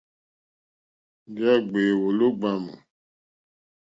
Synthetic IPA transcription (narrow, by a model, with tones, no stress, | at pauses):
d͡ʒɛ˦ɡ͡be˨wo˨lo˦ɡ͡ba˦mṵ˨